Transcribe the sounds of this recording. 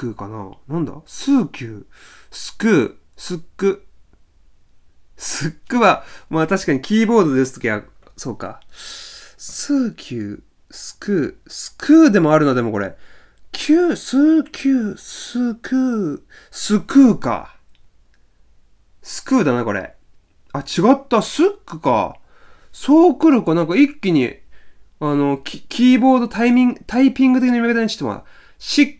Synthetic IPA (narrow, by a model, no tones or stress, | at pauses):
ɯːkana̰nãnd̪a̰sɨːkʲɨːsɨ̥kɯ̟ː | sɨkːɯ̟ | sɨkːɯβamaːt̪aɕi̥kaɲ̟ikʲiːbo̞ːd̪o̞d̪e̞sɨ̥t̪o̞kʲiβa | so̞ːka̰ | sɨːkʲʰɨː | sɨ̥kʰɯːsɨ̥kʰɯ̟ːd̪e̞mo̞aɾɯ̟nod̪e̞moko̞ɾe̞̰ | kʲʰɨːsɨːkʲʰɨːsɨkɯː | sɨkɯ̟ːka̰ | sɨ̥kɯ̟ːd̪anako̞̰ɾḛ | at͡ɕiɡat̪ːasɨkːɯ̥ka̰ | soːkɯ̟ɾɯ̟kanãŋkaikʲːiɲ̟ḭ | ano̞kʲʰiːbo̞ːd̪o̞t̪ʰaimʲĩŋt̪ʰaipʲĩŋɡɯt̪ekiɲomiaket̪anɲt͡ɕi̥t̪eo̰a̰ | ɕik